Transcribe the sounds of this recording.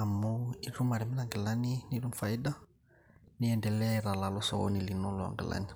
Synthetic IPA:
amɔiɾumaɾɛminaŋɡɛlaniniɾumfaida | niɛndɛlɛɾalalɔsɔ̰ɔ̰nilinɔlɔa̰ŋɡɛ̰la̰ni

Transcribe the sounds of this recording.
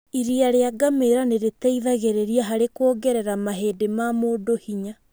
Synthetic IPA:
iɾiaɾeaɡameɾaneɾetɛiðaɣeɾeɾiaɦaɾekwoːɡɛɾɛɾamaɦeːdemamoːdohiɲa

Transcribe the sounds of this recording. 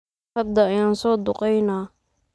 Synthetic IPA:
hɐd̪ɐɐjaːnsɔːd̪ʊqɛjnaː

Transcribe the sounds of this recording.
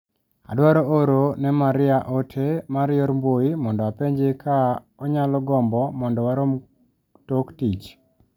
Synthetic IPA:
a̰dwaɾɔoɾonɛmaɾɪaʔotʰemaɾjɔɾmboimɔndɔwapeɲd͡ʒekʰa | ɔɲalɔɡɔmbɔmɔndɔwaɾom | toktit͡ʃ

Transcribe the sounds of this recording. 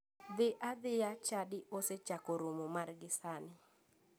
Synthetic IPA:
d̪ɪʔad̪ɪjat͡ʃadɪʔoset͡ʃakoɾomomarɡɪsanɪ

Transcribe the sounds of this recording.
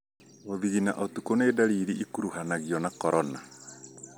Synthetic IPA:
oðiɣina̰ʔɔtukoneːdaɾiɾiʔikuɾuhanaɣiɔnakɔɾɔna

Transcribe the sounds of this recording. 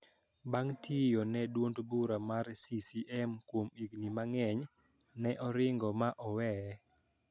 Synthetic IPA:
baŋtʰijɔnɛdwondbuɾamarsisiʔɛmkwomiɡnimaŋɛɲ | nɛʔɔɾɪŋɡɔmaʔɔwɛ

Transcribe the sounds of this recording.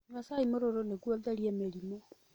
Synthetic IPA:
ɲwasaimoɾoɾoneɡwoðɛɾiemeɾimo

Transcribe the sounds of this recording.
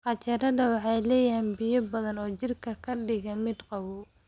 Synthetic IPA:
qɑt͡ʃɐɾɐdɐwɑħɑjlɛːjiːnbɪjɐbɐðɐnɔːt͡ʃɪrkʰɐkʰɐɖɪɣɐmɪd̪qɑwu

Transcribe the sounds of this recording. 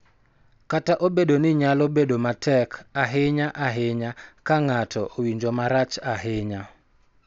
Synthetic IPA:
kataʔobedonɪɲalobedomatɛkaɦɪɲaʔaɦɪɲakaŋatʰɔʔowiɲd͡ʒomaɾat͡ʃaɦɪɲa

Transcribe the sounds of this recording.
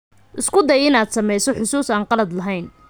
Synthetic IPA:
ʔɪskʰʊd̪ɛjɪnaːd̪sɐmɛjsɔħʊsuːsaːnqɑlɐd̪lɐɦɛjn

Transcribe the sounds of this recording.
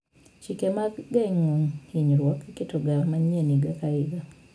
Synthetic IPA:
t͡ʃikɛmaɡaŋuŋhiɲɾwɔkkitɔɡamaɲɛniɡakaiɡa

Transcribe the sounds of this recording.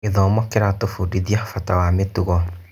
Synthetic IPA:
eðɔmɔkeɾatofudiðiafatawametuɣɔ

